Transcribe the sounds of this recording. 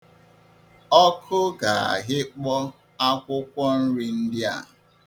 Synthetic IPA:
ɔ˦kʰʊ˦ɡa˨a̰˨ɦɪ˦k͡pɔ˦ | a˦kʷʊ˦kʷɔ˦n̩˦ɾi˦n̩˦dɪ˦a̰˨

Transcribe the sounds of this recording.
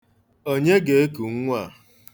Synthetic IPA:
o˦ɲe˦ɡe˨e˦ku˨ŋ̩˦ŋʷ˦a˨

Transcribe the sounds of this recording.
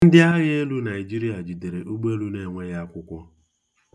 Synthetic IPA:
n̩˦dɪ˦a˦ɣɪ˦e˦lu˦na˨ɪ˨d͡ʒi˦ɾi˦a˨d͡ʒi˨de˨ɾe˨ʔu˦ɡ͡be˦lu˦ne˦ŋʷe˦ɣa˦kʷʊ˦kʷɔ˦

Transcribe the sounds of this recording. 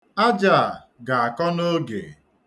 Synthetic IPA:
a˦d͡ʒa˦˨ | ɡa˨a˨kɔ˦no˦ɡḛ˨

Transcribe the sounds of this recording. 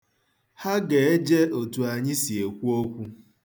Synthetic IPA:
ha˦ɡe˨e˦d͡ʒe˦o˨tu˨a˨ɲɪ˦si˨e˨kʷu˦o˦kʷu˦

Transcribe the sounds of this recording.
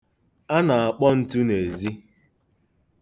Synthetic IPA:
a˦na˨a˨k͡pɔ˦n̩˦tu˦ne˨zi˦

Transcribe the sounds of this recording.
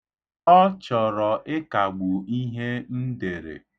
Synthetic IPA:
ɔ˦t͡ʃɔ˨ɾɔ˨ʔɪ˦ka˨ɡ͡bu˨i˦ɦe˦n̩˦de˨ɾḛ˨

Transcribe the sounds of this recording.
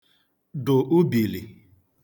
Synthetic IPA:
dʊ˨ʔʊ˦bi˨li˨

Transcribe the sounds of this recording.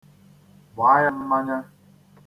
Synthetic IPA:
wa˨˦ja˦n̩˦ma˦ɲa˦

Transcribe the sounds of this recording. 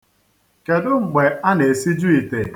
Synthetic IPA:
ke˨dʊ˦ŋ͡m̩˨ɡ͡be˨a˦ne˨si˦d͡ʒu˦i˨te˨

